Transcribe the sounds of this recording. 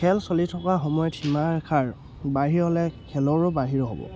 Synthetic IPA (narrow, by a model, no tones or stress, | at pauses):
kʰɛlsolitʰɔkaxɔmɔjɔtʰimaɹɛkʰaɹ | baɦiɹɦɔlɛkʰɛlɔɹɔbaɦiɹɔɦɔbɔ̰